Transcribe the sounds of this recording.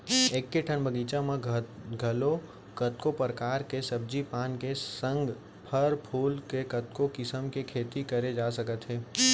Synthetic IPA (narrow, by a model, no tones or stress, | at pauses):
eːkːeʈʰənbəɡiːt͡ʃãmẽɡʱɐlo | kət̪kopəɾkaːɾkesɐb̚d͡ʒipaːnkesə̃ŋɡ | pʰəɾpʰuːlkekɐt̪kokɪsəmkekʰeːt̪ikəɾed͡ʒaːsəkət̪ɦɛː